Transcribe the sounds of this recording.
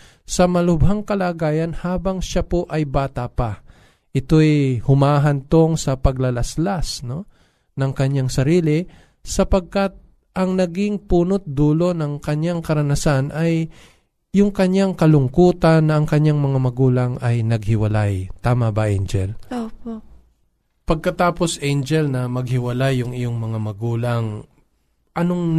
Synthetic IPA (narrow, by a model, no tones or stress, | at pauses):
sɐmɐlʊbɦaŋkɐlaːɡaːjɐnhaːbɐŋʃapoʔɐjbaːt̪apa | ʔɪt̪o̞jhʊmaːɦɐnt̪oŋsɐpɐɡlɐlɐslasno̞ | nɐŋkɐɲːaŋsɐɾiːlɪ | sɐpɐɡ̚kat̪̚ | ʔɐŋnɐɡɪŋpuːnot̪̚d̪uːlo̞nɐŋkɐɲaŋkɐɾɐnɐsanʔɐj | jʊŋkɐɲaŋkɐlʊŋkuːt̪ɐnːɐɐŋkɐɲaŋmɐŋamɐɡuːlaŋɐjnɐɡ̚hɪwɐlajt̪aːmɐbɐʔɛjnd͡ʒɛloo | pɐɡ̚kɐt̪aːpo̞sʔɛjnd͡ʒɛlnɐmɐɡ̚hɪwɐlajːʊŋɪjoŋmɐŋamɐɡuːlaŋ | ʔɐnoŋ